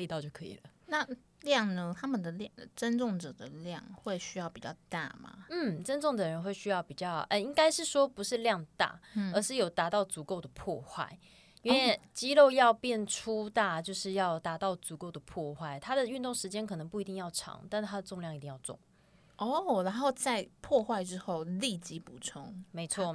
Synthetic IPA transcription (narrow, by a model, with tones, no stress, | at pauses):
e˥˧t̪ɑ˥˧t͡ɕjo˥˩ʊkʰɤ̰˧˥ḭ˨˩lə˦na˥˨ | ljɑ˥˨˩ŋnə˧t̪ʰa˥mə˨nd̪ə˩ljʈ͡ʂə˦nt͡sʊ˥˩ŋʈ͡ʂɤ˨˩d̪ə˨ljɑ̰˥˧ŋxwe˥˩ɪɕy˥jɑ˥˩ʊpi˨˩t͡ɕjɑ̰˥˧ʊt̪a̰˥˩ma̰˩n̩˥˩ʈ͡ʂə˥nʈ͡ʂʊ˥˩ŋd̪ə˨˩ɻə˧˥nxwe˥˩ɪɕy˥jɑ˥˩ʊpi˨˩t͡ɕjɑ˥˩ʊʔə˧˩i˥ŋka˥ɪʂɻ̩˥˩ʂwɔ˥pu˧˥ʂɻ̩˥˧ljɑ˥˨˧ŋt̪a̰˥˩ə˧˥ʂɻ̩˥˩jo˨˩ʊt̪a˧˥t̪ɑ˥˩ʊt͡su˨˩˦ko˥˩ʊd̪ə˩pʰwɔ˥˧xwa̰˥˩ɪ | i˥nwɪt͡ɕi˥lo˥˧ʊjɑ˥˧ʊpjɛ˥˩nʈ͡ʂʰu˦t̪a˥˧t͡ɕjo˥˧ʊʂɻ̩˥˧jɑ˥˩ʊt̪a˧˥t̪ɑ˥˩ʊt͡su˨˩ko˥˩ʊd̪ə˩pʰwɔ˥˧xwa˥˩ɪt̪ʰa˥d̪ə˨y˥˧nt̪ʊ˥˩ŋʂɻ̩˧˥t͡ɕjɛ˥nkʰɤ˨˩nɤ˧˦ŋpu˥˩i˧˥i˥˧ŋjɑ˥˩ʊʈ͡ʂʰɑ̰˧˥˦ŋt̪a˥˧nt̪ʰa˥d̪ə˨˩t͡sŋljɑ˥˩ŋi˧t̪i˥˧jɑ˥˧ʊt͡sʊ̰˥˩ŋ | ɔ˥˩ɻa˧˦nxo˥˧ʊt͡sa˥˨ɪpʰwɔ˥˧xwa˥˩ɪʈ͡ʂɻ̩˥xo˥˩ʊli˥˨˩t͡ɕi˥pu˨˩t͡sʰʊ˥ŋme˧˥ɪt͡sʰwɔ˥˩